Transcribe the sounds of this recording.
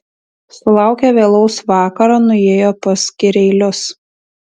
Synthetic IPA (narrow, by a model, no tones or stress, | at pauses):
sʊlˠɑˑʊkʲɛʋʲeːlˠɒʊsʋɑːkɐɾɑːnʊeːjoːpɐsʲkʲɪɾʲɛɪlʲʊs